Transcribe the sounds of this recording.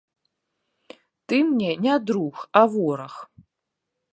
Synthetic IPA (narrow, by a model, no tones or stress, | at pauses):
t̪ɨmnʲɛnʲad̪ɾuxavɔɾɐx